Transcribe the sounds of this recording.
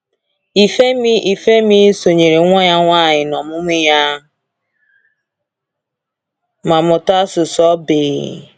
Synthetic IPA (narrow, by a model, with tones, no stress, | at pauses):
i˨fe˦mi˦i˨fe˦mi˦so˨ɲe˨ɾe˨˦ŋʷɔ˦ɲa˦ŋʷa˦˨ɲɪ˨nɔ˨mʊ˦mʊ˦ja˦ | ma˨mʊ˨ta˦sʊ˨sɔ˦bɪ˨ɣ̰